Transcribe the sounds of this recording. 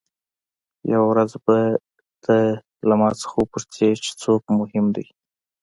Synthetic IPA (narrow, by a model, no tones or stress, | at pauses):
jawawɾazba | d̪̥ə | lamɑt͡sə̥xapʊɾt̪ʰet͡ʃe̥t͡sokmʊhɪmd̪ij